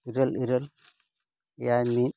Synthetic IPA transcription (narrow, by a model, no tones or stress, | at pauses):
iɾəliɾəl | jami